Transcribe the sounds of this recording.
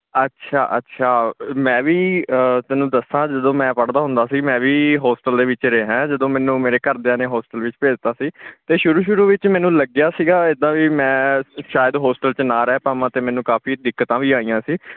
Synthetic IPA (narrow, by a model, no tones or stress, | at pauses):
ətːʃʰaːʔətːʃʰaːmɛ̃ːʋiːt̪ɛːnũːd̪əsːãːd͡ʒəd̪õːmɛ̃ːpəɽd̪aːɦʊ̃nd̪aːsiːmɛ̃ːʋiːɦoːsʈəld̪eːʋɪt͡ʃɾeːɦɛ̃ːd͡ʒəd̪õːmɛ̃ːnũːmeːɾeːkəɾd̪eãːneːɦoːsʈəlʋɪt͡ʃpeːd͡ʒt̪aːsiːt̪eːʃʊɾuːʃʊɾuːʋɪt͡ʃmɛ̃ːnũːləɡjaːsiːɡaːɪd̪ãːʋiːmɛ̃ːʃaːjɪəd̪ɦoːsʈəlt͡ʃnãːɾɛːpaːʋãːt̪eːmɛ̃ːnũːkaːpʰiːd̪ɪkːət̪ãːʋiːaːijãːsiː